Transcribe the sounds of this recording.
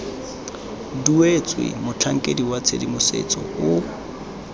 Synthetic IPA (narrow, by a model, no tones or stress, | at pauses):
duet͡sʼwɪ̰mʊt͡ɬʰaŋ̩kʼediwat͡sʰedimʊsḛt͡sʼɔ̰ʊ